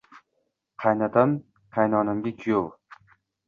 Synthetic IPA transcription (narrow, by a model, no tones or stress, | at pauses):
qʰɑjnat̪ʰam | qʰɑjnɒnɪmɡʲakʲʰʊjow